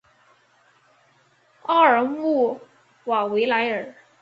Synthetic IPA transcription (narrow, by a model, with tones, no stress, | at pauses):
ɑ˥˩ə˞˨˩mu˥˩ | wa˨˩we˧˥ɪla˧˥ɪə˞˨˩˦